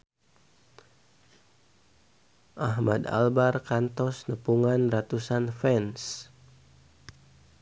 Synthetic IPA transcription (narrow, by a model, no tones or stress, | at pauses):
ʔaɦmad̪a̰lbarkant̪ɔsnəpuŋanrat̪usanfɛns